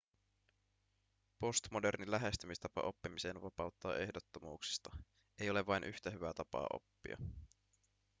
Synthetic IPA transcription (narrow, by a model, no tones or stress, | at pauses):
po̞st̪mo̞de̞rnilæɦe̞st̪ymist̪ɑpɑ̰ʔo̞pːimise̞ːnʋɑpɑwt̪ːɑːʔe̞hdot̪ːo̞muːksi̥st̪ɑ | ejo̞le̞ʋɑjnʔyht̪æɦyʋæt̪ɑpɑ̰ːʔo̞̰pːḭɑ̰